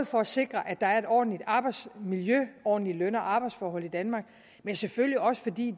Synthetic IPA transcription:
ð̩ˠfɒ̽æse̝ɡ̥ʁɐʔæ̥ɑ̈æɐe̝ɾɒ̰ːd̥n̩lid̥ɑ̈ːb̥ɑ̈ɪd̥smiljøɒ̰ːd̥n̩lilønɐʔɑ̈ːb̥ɑ̈ɪd̥sfɒːɦɒ̽l̰id̥ænmɑ̈ɡ̥̚ | mensefølljiɒ̽sə̥fɒ̽d̥ḭː

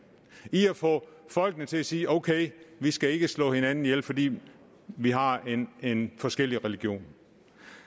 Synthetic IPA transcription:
iæfɔ̰̽ːfɒ̽l̰ɡ̥nət͡sʰe̝æsiːʔoʊkʰeɪʋisɡ̥æe̝ɡ̥əslɔ̰̽ːhe̝nænn̩jelfɒ̽d̥ḭː | ʋiɦɑ̈e̝nfɒ̽sɡ̥el̰iʁɛliɡ̥jo̝̰ːn

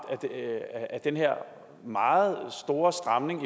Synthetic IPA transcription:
æ̥æɐd̥enɦeɐ̰ | mɑ̈ːð̩ˠsd̥o̝ːɐsd̥ʁɑmne̝ŋi

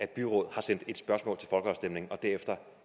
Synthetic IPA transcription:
æd̥b̥yʁɔ̽ð̰ˠhɑ̈sen̰d̥e̝d̥sb̥ɶɐsmɔ̰̽lt͡sʰe̝lfɒ̽lɡ̥əɑ̈ʊsd̥emne̝ŋn̩ɒ̽d̥æɐefd̥ɐ

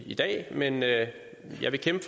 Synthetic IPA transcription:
id̥ɛ̰ːmenø | jɑ̈ɪʋe̝kʰemb̥əf

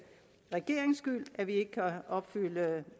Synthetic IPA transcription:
ʁɛɡ̥e̝ɐ̰eŋsɡ̥ylʔæɐʋie̝ɡ̥əkʰæɒ̽b̥fylə

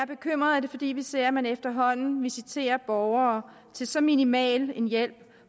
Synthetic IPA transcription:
æɐb̥e̝kʰøm̰ʁɐðˠæd̥e̝fɒ̽d̥ḭːʋise̝ɐ̰mænefd̥ɐɦɒ̽n̰n̩ʋisit͡sʰe̝̰ːɐb̥ɒʊɐ | t͡sʰe̝lsɒ̽minimɛ̰ːle̝njel̰b̥

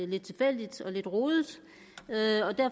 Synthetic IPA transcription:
le̝d̥̚t͡sʰe̝lfel̰d̥id̥ɒ̽le̝d̥ʁoːðˠəd̥ | øɒ̽d̥æɐ̰

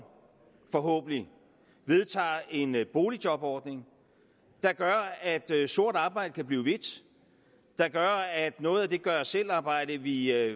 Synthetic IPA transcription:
fɒ̽ɦɔ̰ːb̥ən̩i | ʋe̝ð̞ˠt͡sʰɑ̰̈ːe̝nb̥o̝ːli̥jɒ̽b̥ɒːd̥ne̝ŋ | d̥ɑ̈ɡ̥ɶɐæd̥so̝ɐ̰d̥ɑ̈ːb̥ɑ̈ɪ̰d̥əkʰæb̥liːʊʋe̝d̥ | d̥ɑ̈ɡ̥ɶɐæd̥nɔ̽ːð̞̩ˠæd̥e̝ɡ̥ɶɐsel̰ɑ̈ːb̥ɑ̈ɪ̰ɾ̥əʋi

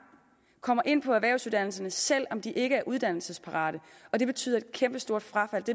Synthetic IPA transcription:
kʰɒ̽m̰ɐʔe̝n̰pʰɒ̽æʋæɐʊsuðˠd̥æn̰l̩s̬ɐnəsel̰ɒ̽md̥iʔe̝ɡ̥əæɐʔuð̞ˠd̥æn̰l̩səspʰɑ̈ʁɑ̈ːɾ̥əɒ̽d̥e̝b̥e̝̥t͡sʰy̰ːð̰ˠɐed̥kʰemb̥əsd̥o̝ɐ̰d̥fʁɑ̈fæl̰d̥e̝

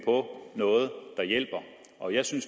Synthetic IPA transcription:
pʰɒ̽nɔ̽ːð̞̩ˠd̥ɑ̈jel̰b̥ɐ | ʔɒ̽jɑ̈ɪsyns

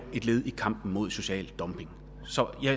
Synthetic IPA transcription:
e̝d̥le̝ːð̞ˠikʰɑ̈m̰b̥n̩mo̝ð̞̰ˠso̝ɕɛ̰ːld̥ɒ̽mb̥e̝ŋ | sɒ̽jɑɪ

